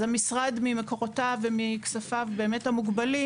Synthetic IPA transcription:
zamisʁadmimeko̞ʁotavemiksafavbe̞ːmethamuɡbali

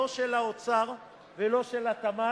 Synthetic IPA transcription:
oʃelaot͡saʁ | velo̞ʃelat̪ama

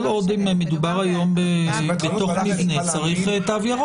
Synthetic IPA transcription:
lod̪imemed̪ubaʁajo̞mbebet̪o̞χmivnet͡saʁiχet̪aavjaʁo

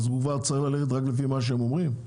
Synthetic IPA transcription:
zukvaʁt͡saʁiχlaleχet̬ʁaklefimaʃ̬eemo̞mʁim

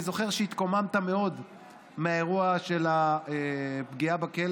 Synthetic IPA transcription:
zo̞χe̞ʁʃeit̪ko̞mamt̪ame̞o̞d̪ | meaeʁuaʃe̞laepɡiabakel

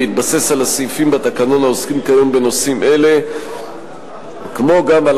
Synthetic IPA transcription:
it̪̚base̞salasifimbat̪akano̞naoskimkajombe̞no̞simʔe̞le̞ | kmo̞ɡamal

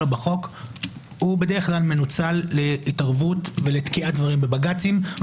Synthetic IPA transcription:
lbaχo̞k | hube̞de̞ʁeχklalme̞nut͡salːeitaʁvutve̞letkiat̚dvaʁimbebaɡat͡simv

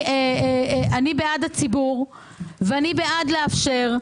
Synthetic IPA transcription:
e | anibeadat͡sibuʁ | veanibeadleafʃe̞ʁ

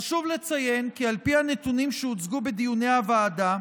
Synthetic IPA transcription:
ʃuvlet͡saje̞nkialpianet̪unimʃeut͡sɡubed̪ijune̞avaːd̪a

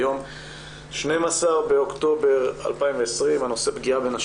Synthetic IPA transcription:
jo̞m | ʃne̞jmasaʁbe̞o̞kt̪o̞beʁa̰lpaimveesʁimano̞se̞bɡiabe̞naʃ

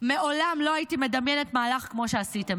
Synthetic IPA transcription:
meʔo̞lamlo̞ajitime̞damjenetmaːlaχkmo̞ʃe̞asite̞m

